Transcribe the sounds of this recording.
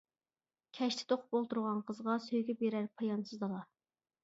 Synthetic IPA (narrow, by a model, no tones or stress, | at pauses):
kʲʰɛʃt̪ʰɪ̥t̪ʰoqʰʊ̥p̚olˠt̪uɾʁɑnqʰəzʁɑsøjɡʲɛbeɾæɾpʰɑjɑnsɨzd̪ɑlˠɑ